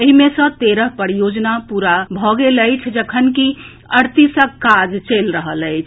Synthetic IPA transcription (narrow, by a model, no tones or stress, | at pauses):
eɦimesə̃t̪eɾəɦpəɾijod͡ʒnapuɾabʱɔɡeləjt͡ʃʰd͡ʒəkʰənki | əɾt̪isə̃kːad͡ʒt͡ʃəlɾəɦələjt͡ʃʰ